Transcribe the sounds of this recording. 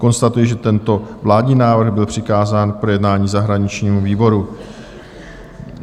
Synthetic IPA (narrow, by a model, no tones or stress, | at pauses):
ko̞nst̪at̪ujɛʒɛt̪ɛnt̪o̞vlaːdɲiːnaːvr̩ɣbɪlpr̝̥ɪkaːzaːnk̚pɾojɛdnaːɲiːzaɦɾaɲɪt͡ʃɲiːmuviːbo̞ɾu